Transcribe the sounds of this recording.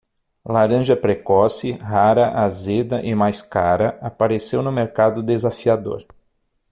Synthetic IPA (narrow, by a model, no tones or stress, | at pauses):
laɾɐ̃ʒɐpɾekɔsɪɦaɾɐʔazed̪ɐʔɪmajskaɾɐapaɾesewnʊmeɾkad̪ʊd̪ezafiad̪o̰ɾ